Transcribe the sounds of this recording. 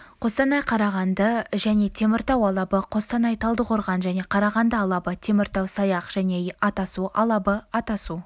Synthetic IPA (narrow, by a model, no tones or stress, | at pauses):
qʰo̞st̪ɑnɑjqʰɑɾɑʁɑnd̪əʒæne̞t̪ʰe̞mɪɾt̪ɑwɑlˠɑbəqʰo̞st̪ɑnɑjt̪ʰɑlˠd̪əqʰoɾʁɑnʒæne̞qʰɑɾɑʁɑnd̪əɑlˠɑbət̪ʲʰe̞mɪɾt̪ɑwsɑjɑqʒ̥æne̞ɑt̪ɑsuʔɑlˠɑbəɑt̪ɑsu